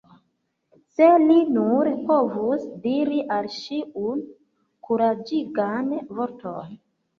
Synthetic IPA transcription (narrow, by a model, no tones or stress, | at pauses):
se̞linuɾpo̞vusdiɾiʔalʃiun | kuɾad͡ʒiɡanvoɾto̰n